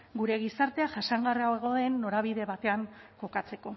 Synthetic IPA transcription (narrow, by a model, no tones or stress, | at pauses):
ɡuɾe̞ɣisaɾt̪e̞aʝasaŋɡariawe̞ɣ̞o̞e̞nːo̞ɾaβiðe̞βat̪e̞aŋko̞kat͡se̞ko̞